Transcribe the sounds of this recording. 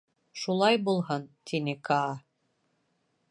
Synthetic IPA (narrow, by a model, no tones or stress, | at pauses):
ʃulˠɑjbulˠɦɤnt̪ʰinɘkʰɑː